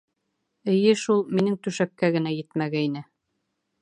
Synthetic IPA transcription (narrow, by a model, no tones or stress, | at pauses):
ɘ̆jɘʃulˠminɘŋt̪ʉʃæp̚kæɡɘ̆næjɘt̪mæɡæinɘ